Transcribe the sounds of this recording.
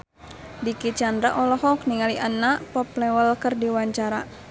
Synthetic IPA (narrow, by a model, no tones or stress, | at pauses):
dikit͡ʃandɾaʔɔlɔɦɔkniŋaliʔanːapɔplɛwəlkərdiwaɲt͡ʃaɾa